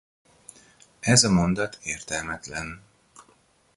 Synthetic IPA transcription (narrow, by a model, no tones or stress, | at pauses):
ɛzɒmo̞nd̪ɒt̪ʰeːrt̪ɛlmɛt̪lɛn